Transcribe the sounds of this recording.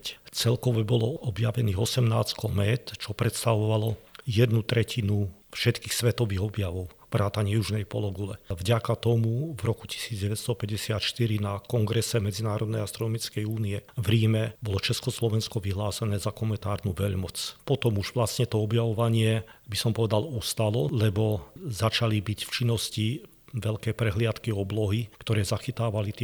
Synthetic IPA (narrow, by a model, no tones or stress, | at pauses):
t͡sɛlkɔʋɛbɔlɔɔbjaʋɛniːɣɔsɛmnaːskɔmɛt̪t͡ʃɔpɾɛt̪st̪aʋɔʋalɔjɛd̪nut̪ɾɛcʰinufʃɛt̪kiːxsʋɛt̪ɔʋiːɣɔbjaʋɔʊbɾʔaːt̪aɲɪɛjuʒnɛjpɔ̰lɔɡulɛvɟakat̪ɔmuvɾɔku̥ci̥siːd͡zɟɛʋɛt̪st̪ɔpɛɟɛsɪat̪ʃt̪iɾinakɔŋɡɾɛsɛmɛd͡zinaːɾɔd̪nɛjast̪ɾɔnɔmit͡skɛjuːniɛvɾiːmɛbɔlɔt͡ʃɛskɔslɔʋɛnskɔʋiɦlaːsɛnɛːzakɔmɛnt̪aːɾnuʋɛʎmɔt͡spɔt̪ɔmuʒʋlast̪ɲɛt̪ɔɔbjaʋɔʋaɲɪɛbisɔmpɔʋɛd̪alust̪alɔlɛbɔzat͡ʃalibicft͡ʃinːɔsci | ʋɛʎkɛːpɾɛɦlɪat̪kiɔblɔɦikt̪ɔɾɛːzaxit̪aːʋalit̪ɛ